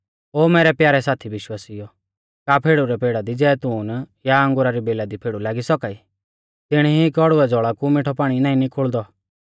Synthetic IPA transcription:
oːmɛːɾɛpjaːɾɛsaːt̪ʰiʋɪʃwaːsijɔ | kapʰeːɽuɾɛpeːɽad̪id͡zɛːt̪uːnjaɐ̃ŋɡʊɾaɾibeːlad̪ipʰeːɽulaːɡisɔkai | t̪ɪɽ̃ɦikɔɽʊɛd͡zɔɭakumɪʈʰɔpaːɽ̃inãːĩnikʰʊɭd̪ɔ

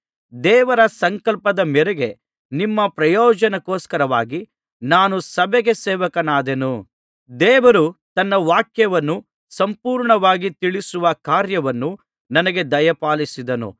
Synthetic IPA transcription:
d̪ɛːʋɐɾɐsɐŋkɐlpɐd̪ɐmɛɾeɡe̞ | nimːɐpɾɐjɔːd͡ʒɐnɐkoːskɐɾɐʋaːɡi | naːnusɐbɛɡe̞sɛːʋɐkɐnaːd̪enu | d̪ɛːʋɐɾut̪ɐnːɐʋaːkjɐʋɐnːu | sɐmpuːɾɳɐʋaːɡit̪iɭisuʋɐkaːɾjɐʋɐnːu | nɐnɐɡe̞d̪ɐjɐpaːlisid̪ɐnṵ

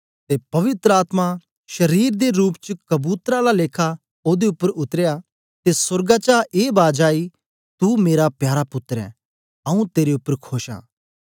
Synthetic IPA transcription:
t̪epɐʋɪt̪ɾəaːt̪ma | ʃɐɾiːɾd̪eɾuːpt͡ʃəkɐbuːt̪ɾalaleːkʰa | oːd̪eʊpːəɾʊt̪əɾeja | t̪esɐɾɡat͡ʃaːʔeːbaːd͡ʒaːi | t̪umeːɾapjaːɾapʊt̪ːɾɛ̰̃ | ɐũt̪eːɾeʊpːəɾkʰoːʃa̰ː

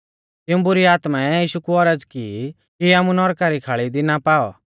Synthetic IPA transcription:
t̪ɪũbʊɾiaːt̪maɛjiːʃukuɔɾəd͡zki | kiaːmũnɔɾkaɾikʰaːɭid̪inapaːɔ̰

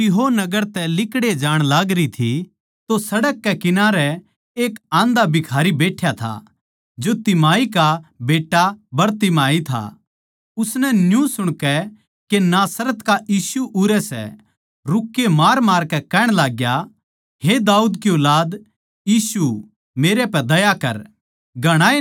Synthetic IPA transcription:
ɪɦonɐɡəɾt̪ɛlɪkɽed͡ʒaːɽ̃laːɡɾit̪ʰi | t̪osɐɽəkːɛkɪnaːɾɛ | eːkãːnd̪abɪkʰaːɾibeːʈʰːjat̪ʰa̰ | d͡ʒot̪ɪmaːikabeːʈːabɐɾt̪ɪmaːit̪ʰa̰ | ʊsnɛnjũsʊɽ̃kɛ | kenaːsɾət̪kajiːsuʔʊɾɛsɛ̰ | ɾʊkːemaːɾmaːɾkɛkɛːɽ̃laːɡja | ɦed̪aːuːd̪kjolaːd̪ | jiːsu | meːɾepɛd̪ɐjakɐ̰ɾ | ɡʱɐɽ̃aːi

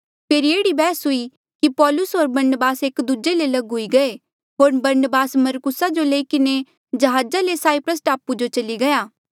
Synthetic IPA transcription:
pʰeːɾieːɽibɛːsɦʊi | kipɔːlʊsɦoːɾbɐɾnbaːseːkd̪ud͡ʒelelɐɡɦʊiɡɐe | ɦoːɾbɐɾnəbaːsmɐɾkʊsad͡ʒoleːikɪne | d͡ʒɐɦaːd͡ʒalesaːɪpɾəs̬ʈaːpud͡ʒot͡ʃɐliɡɐjaː

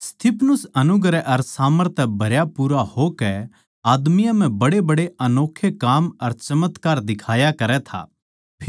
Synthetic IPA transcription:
st̪ʰɪpʰnʊsɐnʊɡɾɛʔɐɾsaːməɾt̪ʰɛbʱɐɾjapuːɾahokɛ | aːd̪mɪjãm̤ɛ̃bɐɽebɐɽeɐnoːkʰːekaːmɐɾt͡ʃɐmət̪kaːɾd̪ɪkʰaːjakɐɾɛt̪ʰa̰ː | pʰ

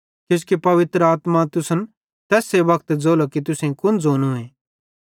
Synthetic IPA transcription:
kʊskepɐʋɪt̪ɾəaːt̪mat̪ʊsən | t̪ɛːseʋɐkt̪d͡zoːlokit̪̬ʊsẽkʊnd͡zoːnuẽː

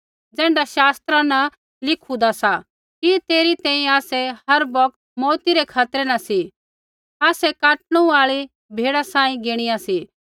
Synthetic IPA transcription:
d͡zɛ̃ːɳɖaʃaːst̪ɾanɐ | lɪkʰũd̪asa | kit̪eːɾit̪ɛ̃ːĩaːsɛhɦɐɾbɔk̚t̪mɔːt̪iɾɛkʰaːt̪ɾɛnɐsi | aːsɛkaːʈɽ̃ũaːɭi | bʱeːɽasãːĩɡeːɽ̃ijãsi

